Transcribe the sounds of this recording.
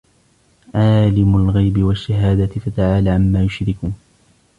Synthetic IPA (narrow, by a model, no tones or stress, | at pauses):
ʕaːlɪmʊlɣajbɪwaʃːaɦaːd̪at̪ɪfat̪aʕaːlaːʕamːaːjʊʃɾɪkuːn